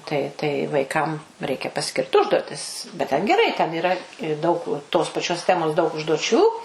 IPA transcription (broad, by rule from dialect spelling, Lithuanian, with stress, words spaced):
ˈtɐɪ tɐɪ ʋɐɪˈkɐm ˈrʲɛɪkʲɛ pɐˈsʲkʲɪrt ˈʊʒduɔtʲɪs bʲɛt ˈtʲɛn ɡʲɛˈrɐɪ tʲɛn iːˈrɐ ɪ ˈdɐʊk toːs pɐˈt͡ʃʲoːs ˈtʲæːmoːs dɐʊk ʊʒduɔˈt͡ʃʲuː